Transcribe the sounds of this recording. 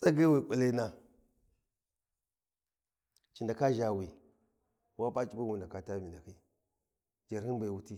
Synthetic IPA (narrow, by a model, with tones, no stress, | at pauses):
t͡sʼa˦ɡe˦wi˦˨kʼa˨le˦na˦ | t͡ʃi˨nda˨ka˦ʒa˨wi˨ | wa˦pa˦t͡ʃʼi˦ba˦wu˨nda˨ka˨ta˦mi˨na˨ki˦ | d͡ʒa˨ɾhi˦ba˨wu˦ti˦